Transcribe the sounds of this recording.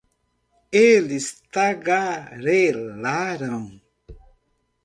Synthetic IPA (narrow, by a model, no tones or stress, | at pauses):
elist̪aɡaɾelaɾaw